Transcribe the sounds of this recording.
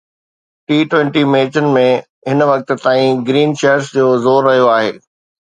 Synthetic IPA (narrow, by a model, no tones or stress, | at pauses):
ʈiːʈʋẽɳʈimeːt͡ɕənɪ̆mẽ | ɦɪnʋɐk̚t̪̆t̪aːĩɡɾiːnʃeːəɾsd͡ʑoːzoːɾːɐɦijoaːɦeː